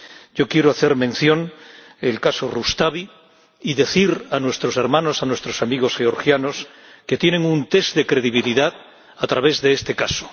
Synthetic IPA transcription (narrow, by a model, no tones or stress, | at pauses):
ɟ͡ʝo̞kje̞ɾoaθe̞ɾmẽ̞n̟θjõ̞n | elkasorust̪aβ̞i | iðe̞θiɾanwe̞st̪ɾo̞se̞ɾmãno̞sanwest̪ɾo̞samiɣ̞o̞sxe̞o̞ɾxjano̞s | ke̞t̪jenẽ̞ŋunt̪e̞zðe̞kɾe̞ðiβ̞iliðað | at̪ɾaβ̞e̞zðe̞est̪e̞kaso̥